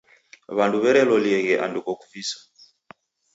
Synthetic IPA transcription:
βanduβɛɾɛlɔliɛɣɛʔa̰ndukɔkuvisḁ

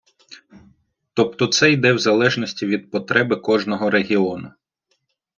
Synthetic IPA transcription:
t̪ɔp̚t̪ɔt̪sɛjd̪ɛwzɐlˠɛʒnɔsʲtʲiʋʲid̪̚pɔt̪ɾɛbɪkɔʒnɔɦɔɾeɦʲiɔnʊ

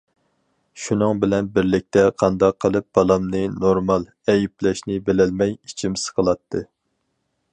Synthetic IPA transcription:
ʃunɨŋbɪlɛnbɪɾlɪk̚ʲt̪ɛqʰɑnd̪ɑqʰːəlˠɨp̚b̥ɑlˠɑmnɨnoɾmɑlˠ | ɛjiplɛʃnɪbelɛlmɛjit͡ʃʰimsɪɨ̥qʰəlˠɑt̪ʰːɨ

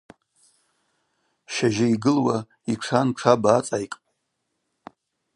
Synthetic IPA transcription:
ʃaʒaiɡɨlwa | iʈ͡ʂʰanʈ͡ʂʰabaːt͡sʼajkʼ

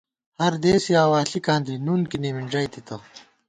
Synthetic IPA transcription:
hɐɾd̪eːsijaːwaːɬikãːnd̪inuːnkiniːmiɳɖɐjt̪it̪ɐ

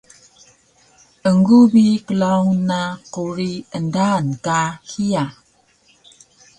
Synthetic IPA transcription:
əŋɡubikəlawnaquɾiəndankahia

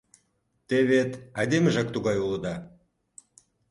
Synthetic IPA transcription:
t̪eβet̪ɑjd̪eməʒɑkt̪uɣɑjulə̆d̪ɑ

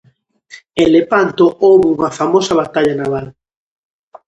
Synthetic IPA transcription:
elepant̪oʔowβeuŋɐfamosɐβat̪aʎanaβal

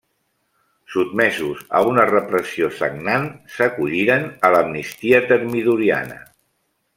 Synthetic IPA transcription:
sut̪̚mɛzuzə̰unərəpɾəsiosə̰ɡnansəkuʎiɾənələmnist̪iət̪əɾmiðuɾia̰nə̰

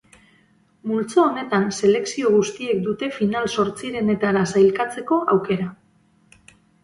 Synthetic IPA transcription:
mult͡saːne̞t̪anse̞le̞ksio̞ɣ̞ust̪ie̞k̚d̪ut̪e̞finalso̞ɾt͡siɾe̞ne̞t̪aɾasajlkat͡se̞ko̞ʔawke̞ɾa

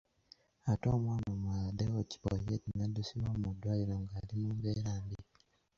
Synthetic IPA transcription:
atomwamomwadeoci̥po̰jetinadusiβwamudwaːjiɾaŋɡaːlimumβeɾaːmbi

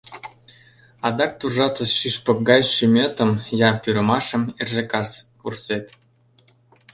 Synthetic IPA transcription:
ɑd̪ɑk̚t̪uʒɑt̪ə̆sʃyʃpɤ̆k̚ɡɑjʃymʲøt̪ə̆mjɑpyɾə̆mɑʃə̆merʒĕkɑspurset̪

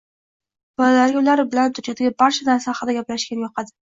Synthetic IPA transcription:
bɒllaɾjolaɾbɪlant̪ʰʊɾt͡ʃʰad̪aɡʲabaɾt͡ʃʰad̪ansaχɨd̪aɡʲaplaʃkʲanɪjɒqʰɑd̪ɪ̥

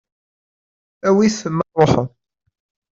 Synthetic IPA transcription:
æwisəmːɑrˤoħə

